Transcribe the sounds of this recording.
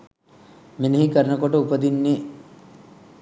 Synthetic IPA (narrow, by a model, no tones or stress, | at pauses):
menəɦikəɾənəkoʈəupəd̪inːe